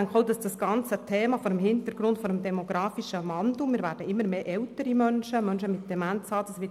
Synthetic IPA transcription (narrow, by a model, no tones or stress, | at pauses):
æŋkχɔʊdɑsd̥ɑsɡ̥ɑnt͡sətʰɛːmɑfɔɾəmɦɪnt̪əɾɡ̥ɾʊndfɔɾəmdɛmoɡ̥ɾɑːfiʃəmɑndumɪːɾvæːɾd̥əɪmːəɾmeːʔɛwtəɾimœnʃəmœnʃəmɪt̚d̥ɛmænt͡sɑːd̥ɑsʋɪ